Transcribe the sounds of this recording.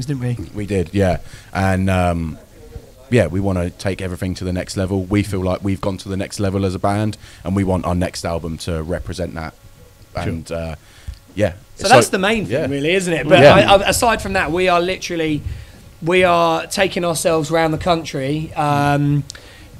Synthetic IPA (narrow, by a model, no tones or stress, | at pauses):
ɪn̩ʔwiwidɪd̥jæʔə̃nʌ̃m | jæwiwɒ̃ñətʰeɪkɛvɹiθɪ̃ŋtʰəðənɛkstˡlɛvəlˠwifiːlaɪkwivɡɒ̃ntʰəðənɛkstˡlɛvəlˠəzəbæ̃nd̥ʔə̃nwiwɒ̃ntʔa̰ʊənɛkstalˠbə̃mtʰəɹɛpʰɹ̥ɨzɛ̃nʔðə̰t̚ʔə̃nʌ | jæsɪoʊðtsðəmẽɪ̃nθjɪæŋɹɪːliɪz̃n̩tɪt̚b̥ʌtjæaɪaɪəsaɪd̥fɹə̃mðəʔwiəlɪtəɹəli | wiətʰeɪkɪ̃ŋəəsɛlˠvzəɹãʊ̃nðəkʰʌ̃nt͡ʃɹ̥iʌ̃m